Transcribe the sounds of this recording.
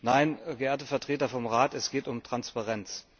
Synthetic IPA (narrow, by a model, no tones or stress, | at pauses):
naɪnɡəʔeːɐtəfɛɐtʁ̥eːtɐfɔmʁaːtɛsɡ̥eːtʊmtʁ̥anspaʁɛnt͡s